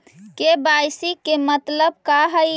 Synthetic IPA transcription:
kebajsikːemət̪ləbkaɦə

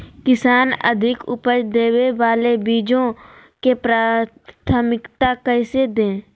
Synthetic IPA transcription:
kɪsaːnə̰d̪ʱɪkʊ̰pəɾd̪eːweʋaːlebiːd͡ʒõ | kepɾaː | t̪ʰəmɪkt̪akəɪsed̪ẽː

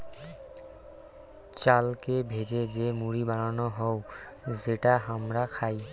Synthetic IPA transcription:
t͡ʃalkebʱezezemuɹibaɹɔnɔɦɔw | zeʈaɦamɹakʰaj

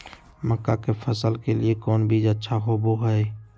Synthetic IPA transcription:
məkːakefʰəsəlkeliekɔːnbʱid͡ʒətːʃʰaɦoboɦɛː

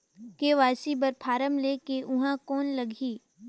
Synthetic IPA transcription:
keʋaːsibəɾpʰaːɾəmleːkeʔʊɦãkɔːnlɐɡʱiː

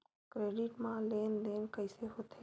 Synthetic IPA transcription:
kɾeːɖɪʈmãleːnleːnkəɪseɦoːt̪ʰe

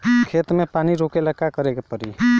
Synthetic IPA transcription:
kʰeːt̪mepaːniɾokeləkːakəɾekepəɾḭ

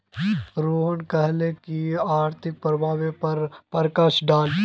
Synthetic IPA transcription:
ɾoːɦənkɐɦlekiaːɾt̪ʰɪk̚pɾəbʱaːʋepɐɾpəɾkaʃɖaːl

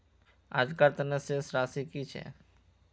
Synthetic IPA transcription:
a̰ːd͡ʒkaɾt̪ənesesɾaːsikit͡ʃʰɛ̰ː

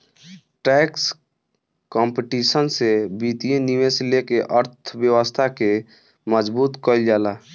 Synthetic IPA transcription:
ʈɛks | kɔ̃mpiʈisənsebit̪ijeniʋeslekeʔəɾt̪ʰbjəwəst̪ʰake | məd͡ʒbuːt̪kɔld͡ʒala

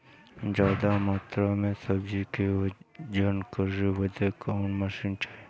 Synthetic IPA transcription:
d͡ʒaːd̪amaːt̪ɾamẽsɐbd͡ʒiked͡ʒənkəɾeʋɐd̪ʱekaːnmɐʃinʈʰae

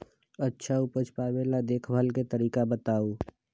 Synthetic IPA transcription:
ətːʃʰaʊpət͡ʃʰpaːwelad̪eːkʰbʱalket̪əɾiːkabət̪aːoː

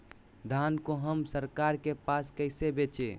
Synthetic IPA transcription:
d̪ʱankoɦəmsəɾkaɾkepaskəɪsebet͡ʃḛ

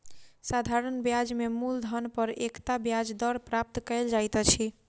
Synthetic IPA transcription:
sad̪ʱaɾənbjad͡ʒmemuld̪ʱənpəɾekt̪abjad͡ʒd̪ɔɾpɾap̚t̪kəɪld͡ʒajt̪t͡ʃʰi

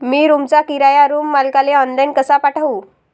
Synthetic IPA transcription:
miːɾumt͡sakiɾajaɾuːmːalkaleɔnlajnkəsapaʈʰaʋuː

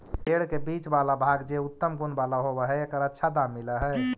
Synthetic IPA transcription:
ɦeɽkebit͡ʃbalabʱaɡd͡ʒeut̪ːəmɡunbalaɦobəɦɛekəɾətːʃʰad̪amːiləɦɛ

